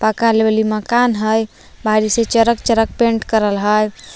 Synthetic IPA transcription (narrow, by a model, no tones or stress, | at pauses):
pəkalebeliməkanɦəj | bʱaɾiset͡ʃəɾəkt͡ʃəɾək̚peɳʈkəɾəlɦəj